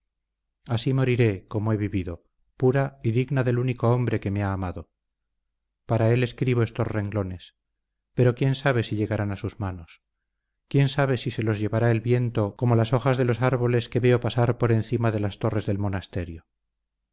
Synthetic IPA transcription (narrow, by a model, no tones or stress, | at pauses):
asimo̞ɾiɾe̞ko̞moe̞βiβiðo̞ | puɾaiðiɣnaðe̞luniko̞o̞mbɾe̞ke̞meaːmaðo | paɾae̞le̞skɾiβ̞o̞e̞st̪o̞sre̞ŋɡlo̞ne̞s | pe̞ɾo̞kje̞nsaβ̞e̞siʎe̞ɣaɾanasuzmano̞s | kje̞nsaβ̞e̞sise̞lo̞zʝe̞βaɾaelβje̞nt̪o̞ko̞mo̞laso̞χazðe̞lo̞saɾβo̞le̞ske̞βe̞o̞pasaɾpo̞ɾe̞nθimaðe̞last̪o̞re̞zðe̞lmo̞nast̪e̞ɾjo